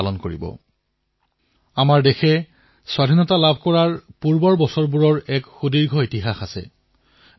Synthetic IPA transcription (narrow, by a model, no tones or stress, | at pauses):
alɔnkoɹḭbɔ̰ | amaɹdexɛ | swadʱinɔtalabʱkɔɹaɹpuɹbɔɹbɔsɔɹbuɹɔɹɛkxudiɹɡʱɔitiɦaxasɛ̰